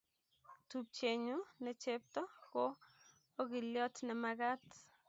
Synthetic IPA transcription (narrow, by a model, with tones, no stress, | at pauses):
t̪up̚t͡ʃe˨ɲu˦nɛ˨t͡ʃe˦p̚t̪ɔ˦koː˦ | ɡi˨ljɔ˦t̪nɛ˨maɡa˦t̪